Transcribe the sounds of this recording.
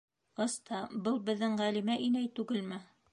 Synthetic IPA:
ɤst̪ɑbɤlˠbɘ̆ðːɘŋʁælimæʔinæjt̪ʉɡɘlmɘ

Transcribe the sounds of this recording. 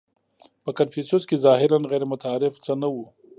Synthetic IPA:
pəkanfisuskezɑɦɪɾanɣɛɾemʊt̪aːɾɪft͡sənawu

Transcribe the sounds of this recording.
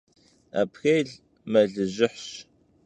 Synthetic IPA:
a̰ːpʰxeːɮ | mɐɮɨʑɪħɕ

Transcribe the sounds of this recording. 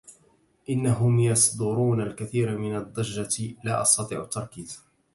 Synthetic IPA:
ʔɪnːaɦʊmjɑsˤd̪ʊɾuːnalkaθiːɾmɪnad̪ˤːɑʒːalaːʔɑ̰sˤt̪ɑt̪ˤḭːʕʊt̪ːɑɾˤkiːz

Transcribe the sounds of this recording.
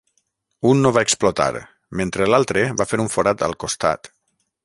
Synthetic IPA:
unːoβaeksplot̪a̰ɾ | ment̪ɾelalˠt̪ɾeβafeɾuɱfoɾat̪ə̰lˠkost̪a̰t̪

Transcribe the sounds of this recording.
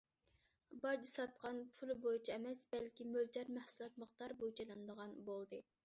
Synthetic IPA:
bɑd͡ʒisɑt̪̚qɑnpʰulˠɨbojut͡ʃʰiɛmɛsbɛlkʲimøld͡ʒɑɾmæhsulˠɑt̪̚məχt̪ɑɾbojt͡ʃʰɑlˠɨnd̪əʁɑnbolˠd̪ɨ

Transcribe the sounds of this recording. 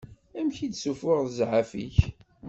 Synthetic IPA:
æmçid̪sufʊʁðəzʕafḭç

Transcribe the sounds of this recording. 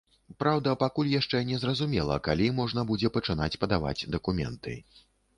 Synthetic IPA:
pɾawd̪ɐpakulʲjaʂt͡ʂɛnʲɛzrɐzumʲɛlˠɐ̰kalʲimɔʐnɐbud͡zʲɛpɐt͡ʂɨn̪at͡sʲpɐd̪ava̰d͡zʲd̪ɐkumʲɛ̰nt̪ɨ̰

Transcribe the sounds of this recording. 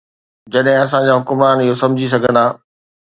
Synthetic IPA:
d͡ʑɐɗɦɪ̃ɐs̬ãd͡ʑaːɦʊkʊmɾaːnɪɦosɐ̃md͡ʑʱis̬ɐɡʱə̃nd̪aː

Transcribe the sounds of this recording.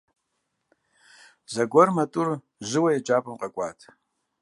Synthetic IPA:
zaɡʷɔrmatʼur | ʒʷɨwajad͡ʒʼapʼɨmqʼakʷʼatʰʼ

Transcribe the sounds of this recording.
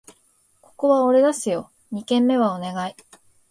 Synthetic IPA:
ko̞̥ko̞βao̞ɾe̞d̪asɨjo̞ | ɲ̟ikẽ̞mːe̞βaone̞ɡai

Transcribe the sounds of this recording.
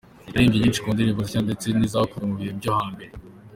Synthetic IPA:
aɾiːmɟiɲiːnt͡ʃi̥kuːnd̪iɾivuzicand̪et͡seniːzahokuɾumuβihebjohaːmbe̞ɾe

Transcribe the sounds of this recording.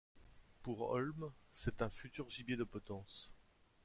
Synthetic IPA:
puʁɔ̰lmsɛt̪ɛ̃fyt̪yʁʒibjed̪əpɔt̪ɑ̃s

